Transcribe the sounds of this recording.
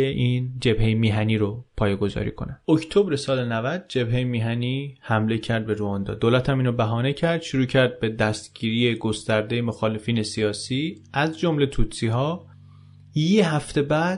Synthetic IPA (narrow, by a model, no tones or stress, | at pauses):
eʔiːnd͡ʒe̞bhejemiːɦæniːɾopʰɒːjeɡo̞zɒ̰ːɾḭːkʰonæokʰt̪ʰobɾe̞sɒːle̞nævæd̪̚d͡ʒe̞bɦe̞jemiːɦæniːhæmle̞cʰæɾd̪̚be̞ɾuɒːnd̪ɒ̰ːd̪oːlæt̪ʰæmiːnobæɦɒːnecʰæɾd̪̥ʃuɾuːcʰæɾd̪̚be̞d̪æst̪ɟ̥iːɾije̞ɡo̞st̪æɾd̪e̞jemoxɒːle̞fiːne̞sijɒːsiːæzd͡ʒo̞mle̞t̪ʰuːt̪siɦɒː | jeɦæft̪ʰe̞bæːd̪̥